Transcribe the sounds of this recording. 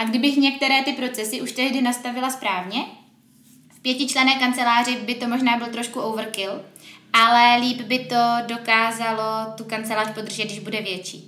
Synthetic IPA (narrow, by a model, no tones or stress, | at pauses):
ʔaɡdɪbɪxɲɛk̚t̪ɛɾɛːt̪ɪpɾo̞t͡sɛsɪʔuʃt̪ɛɦdɪnast̪avɪlaspɾaːvɲɛ | fpjɛcɪt͡ʃlɛnɛːkant͡sɛlaːr̝ɪbɪt̪o̞mo̞ʒnaːbɪlt̪ɾo̞ʃkuʔowvr̩kɪlʔalɛliːbbɪt̪o̞do̞kaːzalo̞t̪ukant͡sɛlaːʃpo̞d̪r̩ʒɛt̪dɪʒbudɛvjɛt͡ʃiː